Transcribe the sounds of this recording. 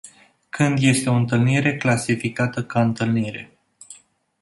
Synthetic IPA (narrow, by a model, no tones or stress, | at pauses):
kɨnd̪je̞st̪e̞o̞ɨnt̪ɨlniɾe̞klasifikat̪əkaɨnt̪ɨlniɾe̞̰